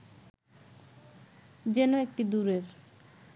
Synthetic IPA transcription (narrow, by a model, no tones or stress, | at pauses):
d͡ʑenoek̚ʈid̪uɾeɾ